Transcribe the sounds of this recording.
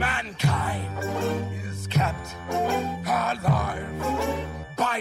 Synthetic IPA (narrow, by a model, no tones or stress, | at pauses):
mæ̃nkʰãɪ̃ndɪz̥kʰɛp̚t | hə˞lɑɹv | baɪ